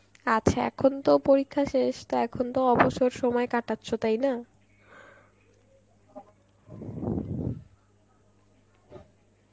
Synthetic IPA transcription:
at͡ɕʰaɛ̰kʰont̪opoɾikʰːaʃeʃt̪oɛkʰont̪oɔboʃoɾʃɔmɔekaʈatːɕʰot̪ajna

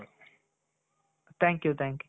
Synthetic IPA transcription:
t̪æ̃ŋkjut̪ʰæ̃ŋkj

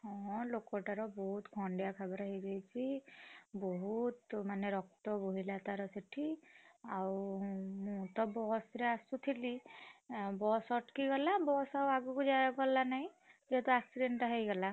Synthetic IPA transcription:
hɔ̃lokɔʈaɾɔbɔɦut̪kʰɔɳɖijakʰabɔɾaɦid͡ʒajt͡ʃʰi | bɔɦut̪maneɾɔk̚t̪ɔbuɦilat̪aɾɔseʈʰiawmũt̪ɔbɔsɾeasut̪ʰili | bɔsɔʈkiɡɔlabɔsawaɡuɡud͡ʒaɾɔɡɔlːanaɦĩ | d͡ʒeet̪ɔaksiɖeɳʈɔɦejɡɔla

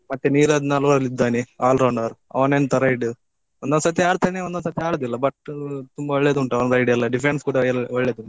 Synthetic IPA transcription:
mɐt̪ːeniːɾɐd̪inalʋɐɾɐlid̪ːaːniaːlɾɐwɳɖɐɾɐ̰ʋɐnenːt̪ɐɾɐjiɖɨ | ʋɐnd̪aːsɐt̪jeaːɽt̪ːɐneʋɐnd̪aːsɐt̪ːjɐaːɽɐd̪ilːɐbɐʈt̪umbɐʋɐɭːed̪uuɳʈɐʋɐnɾɐjɖijɐlːɐɖifɾenskuːɽɐjɐʋɐɭːjed̪uɳɖ

